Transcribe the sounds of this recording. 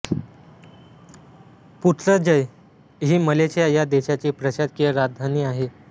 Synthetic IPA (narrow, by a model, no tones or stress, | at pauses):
put̪ʰləd͡ʑəj | ɦiːməleɕijajad̪eɕat͡ɕiːpɾəɕad̪kiəɾad̪ʱaniːaɦe